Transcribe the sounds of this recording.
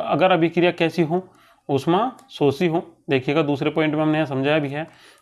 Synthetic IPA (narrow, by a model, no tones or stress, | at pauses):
ɐɡəɾɐbikɪɾijakɛːsiɦõː | ʊsmãsoːsiɦõːd̪eːkʰijeːɡad̪uːsɾepɔːɪ̃ɳʈmẽɐmneɦsɐ̃md͡ʒʱaːjabʱiɦɛː